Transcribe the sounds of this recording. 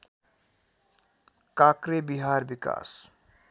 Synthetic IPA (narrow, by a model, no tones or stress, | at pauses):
kakɾebiɦaːɾbika̰ːs